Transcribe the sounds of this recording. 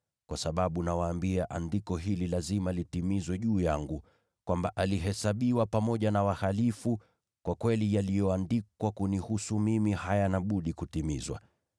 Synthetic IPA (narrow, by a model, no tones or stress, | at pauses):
kwasaɓaɓunawaːmbiaʔandikɔɦililazimalitimizwɛʄuːjaŋɡu | kwambaʔaliɦɛsaɓiwapamɔʄanawahalifu | kwakwɛlijalijɔandikwakunihusumimihajanaɓuɗikutimizwa̰